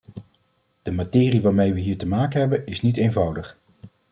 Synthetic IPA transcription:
d̥əmatɪːriʋaːɹmejʋəɦiːɹtəmaːkənɦɛbənɪsnitejnvʌwdəχ

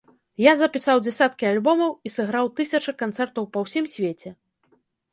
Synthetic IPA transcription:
jazɐpʲisawd͡zʲɛsʲat̪̚kʲialʲbɔmɐwisɨɣɾawt̪ɨsʲɐt͡ʂɐkant̪sɛrt̪ɐwpɐwsʲimsʲvʲet͡sʲɛ

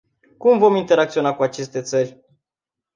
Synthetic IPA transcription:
kumvo̞mint̪e̞ɾak̚t̪sio̞nakuat͡ʃe̞st̪e̞t̪sərʲ

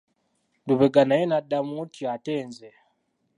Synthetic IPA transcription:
nduβɛɡanaɛnadamutiatɛnzɛ

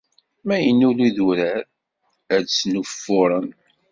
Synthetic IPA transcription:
mæjənːuliðuɾæɾ | ædt͡sːnufːʊɾˤən

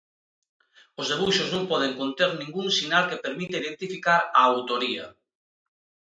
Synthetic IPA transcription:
ozðeβuʃoznõmpɔð̞eŋkont̪eɾnĩŋɡuŋsinalkepeɾmit̪eiðent̪ifikaɾaawt̪oɾia̰

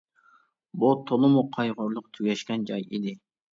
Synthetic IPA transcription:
but̪ʰolˠɨmuqʰɑjʁʊɾlˠʊqt̪ʰyɡʲɛʃkʲɛnd͡ʒɑjid̪ɪ

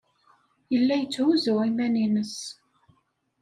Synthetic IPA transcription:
jəlːæjət͡sːhuzuwimæninəs

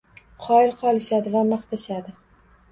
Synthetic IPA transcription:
qʰɒɪɾqʰɒlˠɪʃad̪ɪvamaχt̪ʰaʃad̪ɪ

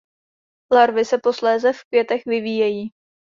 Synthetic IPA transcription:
laɾvɪsɛpo̞slɛːzɛfkvjɛt̪ɛxvɪviːjɛjiː

